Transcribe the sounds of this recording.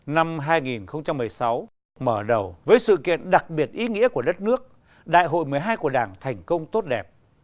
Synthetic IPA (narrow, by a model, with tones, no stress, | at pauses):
na˧mɦaː˧jŋi˨˩nxə˧wŋ͡mt͡ɕa˧mːɨ˨˩əjsa˨˦w | məː˧˩ɗə˨˩wvəː˨˦jsɨ̰˧˨kḭ˧˨ənɗa˨˩k̚ɓi˨˩ət̚ʔi˨˦ŋḭ˧˥əku˧˩əɗə˦˥t̚nɨ˦˥ək̚ | ɗa̰ː˧˨jɦo̰˧˨jmɨ˨˩əjɦaː˧jku˧˩əɗaː˧˩ŋt̪ʰɛ˨˩jŋ̟kə˧wŋ͡mt̪o˦˥t̚ɗɛ˨˩p̚